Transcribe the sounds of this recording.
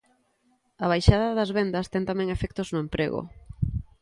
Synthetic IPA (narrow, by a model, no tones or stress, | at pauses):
ɐβ̞ajʃaðɐðɐzβend̪ɐst̪ɛŋt̪amɛ̃ŋefɛk̚t̪oznʊempɾḛɣo̰